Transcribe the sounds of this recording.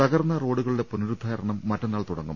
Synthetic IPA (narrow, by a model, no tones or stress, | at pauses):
ɐɣɐrnːɐro̞ːɽuɣɐɭɨɽe̞punɾud̪ʱːɐːɐɾɐɳɐmːɐtːɐnːaːɭt̪uɽɐŋːṵm